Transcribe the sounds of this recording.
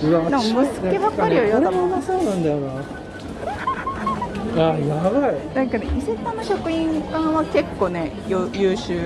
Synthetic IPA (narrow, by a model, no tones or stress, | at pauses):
anãkmosɨ̥kʲeβakːaɾʲijojaɾeamonasoːnãnd̪ajoɾo | ajaβaid̪akːed̪eiset̪anːoɕo̞kɯ̟ĩŋkãɰ̃βake̞kːo̞ːne̞ | jojɯːɕɨː